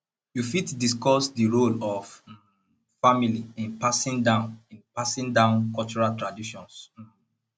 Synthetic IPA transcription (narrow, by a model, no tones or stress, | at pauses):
jufitdis̬kɔsdiɹolɔv | familiĩnpasĩndãʊ̃nĩnpasĩndãʊ̃nkɔlt͡ʃuɹaltɹadiʃɔ̃ns